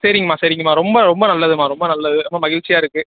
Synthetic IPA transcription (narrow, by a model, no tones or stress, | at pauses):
seːɾɪŋɡɐmaːseːɾɪŋɡɐmaːɾɔmbɐɾɔmbɐnɐlːɐðɯmaːɾɔmbɐnɐlːɐðɯɐmːaːmɐɣɪɻt͡ʃːɪjaːɪɾɯkːɯ